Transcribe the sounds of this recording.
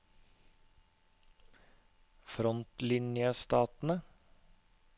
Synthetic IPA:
fɾɔnt̪lɪnjəst̪ɑːt̪n̩ə

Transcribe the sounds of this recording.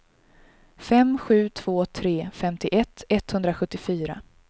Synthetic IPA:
fɛmɧʉ̟ːt̪ʰv̥oːt̪ʰɾeːfɛmt̪ɪʔɛt̪ʰːɛt̪hɵnd̪ɾaɧɵt̪ːɪfyːɾa̰

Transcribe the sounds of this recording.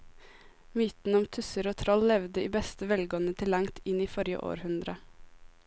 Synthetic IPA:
myːt̪n̩ɔmt̪ʰʉsəɾoːt̪ʰɾɔllɛʋd̪əiːbɛst̪əʋɛlɡɔnət̪ʰɪlɑŋt̪ɪniːfɔɾjə̰ʔo̰ːɾhʉnd̪ɾə

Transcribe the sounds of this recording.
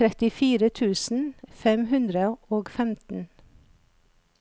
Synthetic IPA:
ɾɛt̪ɪfiːɾət̪ʰʉːsn̩fɛmhʉnd̪ɾəoːɡfɛmt̪n̩

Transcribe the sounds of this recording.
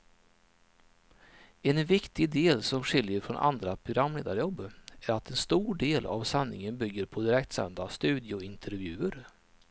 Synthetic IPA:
ɛnvɪkt̪ɪɡd̪eːlsɔmɧɪljəɾfɾɔnʔa̰nd̪ɾapʰɾʊɡɾamːlḛːd̪aɾjɔbːæɾat̪ʰɛnst̪uːɖeːla̰vsanːɪ̰ŋənbʏɡːəɾpʰɔd̪ɪɾɛkt̪sɛ̰nd̪ast̪ʉ̟ːd̪jʊɪnt̪ʰəɾvjʉ̟ːəɾ

